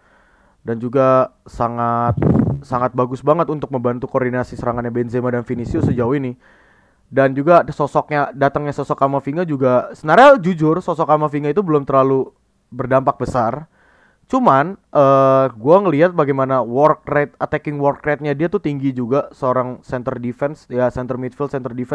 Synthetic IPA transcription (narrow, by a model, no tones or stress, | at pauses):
dand͡ʒuɡasaŋat̪̚saŋat̪̚baɡʊsbaŋət̪unt̪ʊk̚məmbant̪ukordinasisəɾaŋanɲabenzemadanfinisiosəd͡ʒauinɪ | dand͡ʒuɡasɔsɔk̚ɲadat̪əŋɲasɔsɔkamafiŋad͡ʒuɡasənaɾad͡ʒud͡ʒʊrsɔsɔkamafiŋait̪ubəlʊmt̪ərlalu | bərdampak̚bəsar | t͡ʃumanʔəːɡuaŋəliɦat̪̚baɡajmanawɔrkɾat̪̚ət̪ɛkɪŋwɔrkɾat̪̚ɲadiat̪ut̪iŋɡid͡ʒuɡasəoɾaŋsɛnt̪ərdifɛnsjasɛnt̪ərmit̪filt̪sɛnt̪ərdifɛ